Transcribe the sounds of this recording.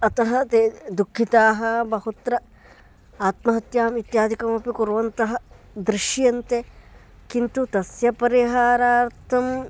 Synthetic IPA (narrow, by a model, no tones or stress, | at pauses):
ɐt̪ɐɦɐt̪ed̪ukʰːit̪aːɦɐbɐhut̪ɾɐ | aːt̪mɐɦɐt̪jaːmit̪jaːd̪ʱikɐmɐpikuɾʋɐnt̪ɐɦɐ | d̪ɾiʃjɐnt̪e | kint̪ut̪ɐsjɐpɐɾiɦaːɾaːɾt̪ʰɐm